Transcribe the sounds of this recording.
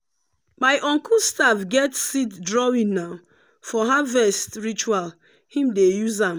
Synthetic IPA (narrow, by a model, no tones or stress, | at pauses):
maɪjʔɔ̃ŋkulstavɡɛtsitdɹɔwĩnnaʊ | fɔɦavɛstɹit͡ʃual | hĩmdejuzãm